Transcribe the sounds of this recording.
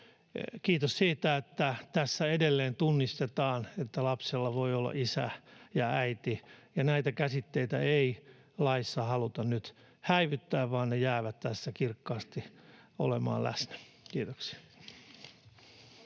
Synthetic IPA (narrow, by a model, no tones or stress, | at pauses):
kiːt̪ossiːt̪æet̪ːæt̪æsːæedelːeːnt̪unːist̪et̪ɑːnet̪ːælɑpselːɑʋoiolːɑ̰ʔisæ̰jɑæit̪ijɑnæit̪ækæsit̪ːeit̪æei | lɑisːɑhɑlut̪ɑnnyt̪ | hæiʋyt̪ːæːʋʋɑːnnejæːʋæt̪t̪æsːækirkːɑːst̪io̰lemɑ̰ːlʔæ̰snæ̥ | kiːt̪oksi̥æ̥